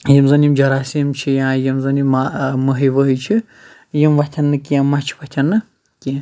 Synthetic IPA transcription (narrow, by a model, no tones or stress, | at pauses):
jimzɐnjimd͡ʒɐɾaːsimt͡ʃʰijãːjimzɐnimaməɦiʋəɦit͡ʃʰi | jimʋɐt̪ʲʰɐnːɨkijãmːɐt͡ʃʰi̥ʋɐht̪ʲʰɐnːɨ | kĩ